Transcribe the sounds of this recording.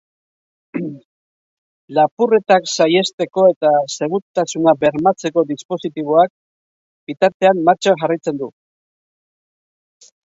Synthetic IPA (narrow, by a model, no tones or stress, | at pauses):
lapure̞t̪aksaje̞st̪e̞ko̞e̞t̪ase̞ɣut̪asunabe̞ɾmat͡se̞ko̞d̪ispo̞sit̪iβ̞oak̚ | bit̪aɾt̪e̞amːaɾt͡ʃaʝarajt͡se̞nd̪u